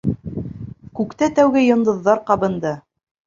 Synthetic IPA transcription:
kʉkt̪æt̪æwɡɘjŏnd̪ɤ̆ðːɑɾqɑbɤ̆nd̪ɤ

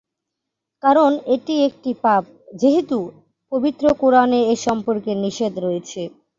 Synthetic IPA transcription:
kaɾoneʈiek̚ʈipap̚d͡ʑeɦet̪u | pobit̪ːɾokoɾaneeʃɔmpoɾkeniʃed̪ʱɾoet͡ɕʰe

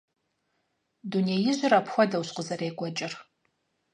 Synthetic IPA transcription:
dunejɪʑʷɪrapxʷɔdɐwɕqəzɐreːɡʷʼɔt͡ʃʼɪr

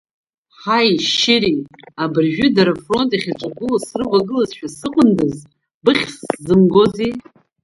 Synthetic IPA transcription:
ħajʃɪɾiabɨrʒᶣʏdaɾafro̞ntʼiχʲat͡ʃʷʼaɡʊlasrɨvʷaɡɨlazʃᶣasɨqʷʼʊndɨz | bɨχʲszɨmɡoze

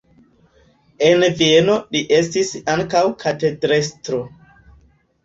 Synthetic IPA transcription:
envieno̞liʔe̞stisaŋkawkʰatedɾestɾo

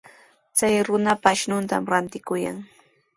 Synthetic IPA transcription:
t͡sajɾʊnapaʃnʊnt̪a̰mɾant̪ɪkʊja̰ŋ

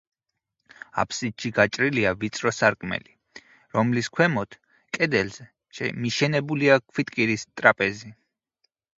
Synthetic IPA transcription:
a̰pʰsiʃiɡat͡ʃʼɾiliavit̪sʼɾɔsaɾkʼmɛ̰li | ɾɔmliskʰwɛmɔt̪ʰ | kʼɛd̪ɛlz̥ɛ | ɛ̰miʃɛnɛbuliakʰwit̪ʼkʼiɾist̪ʼɾapʼɛzi

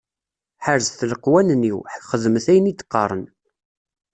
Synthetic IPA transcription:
ħəɾzθləqwænniwħəkχəðmθæjənit͡s̪ːə̥qːɑɾˤən

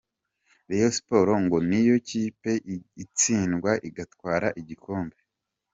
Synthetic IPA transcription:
ɾejosi̥po̞ɾo̞ŋɡo̞nijo̞ciːpe̞it͡siːnɡwaʔiɡatkwaːɾaʔiɟikoːmbe

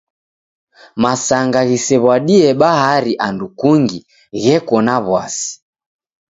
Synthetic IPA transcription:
masaŋɡaɣisɛβwaɗiɛɓahaɾiʔandukuŋɡi | ɣɛkɔnaβwasi̥

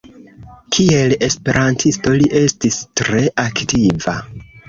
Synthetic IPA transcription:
kʰie̞le̞spe̞ɾʔantʰisto̞liʔe̞stistɾe̞ʔaktiva̰

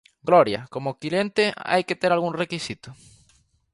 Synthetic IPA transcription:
ɡlɔɾjɐ̰komokilent̪ɪa̰jket̪eɾalɣuŋrekisit̪ʊ

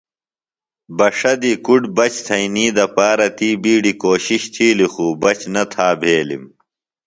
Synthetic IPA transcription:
bɐʂɐd̪ikuɖbɐt͡ɕt̪ʰɐiniːd̪ɐpaːɾɐt̪ʰiːbiːɖikoːɕiɕt̪ʰiːlixuːbɐt͡ɕnɐt̪ʰaːbʱeːlḭm

